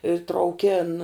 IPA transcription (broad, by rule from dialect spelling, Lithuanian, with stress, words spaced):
ɪ trɐʊˈkʲeːn